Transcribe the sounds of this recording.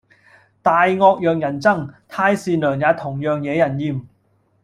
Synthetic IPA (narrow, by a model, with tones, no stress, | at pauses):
t̪aː˨jŋɔː˧k̚jœː˨ŋjɐ˨˩nt͡sɐ˥˩ŋt̪ʰaː˧jsiː˨˧nlœː˨˩ŋjaː˨˧t̪ʰʊ˨˩ŋjœː˨ŋjɛː˨˧jɐ˨˩njiː˨˧m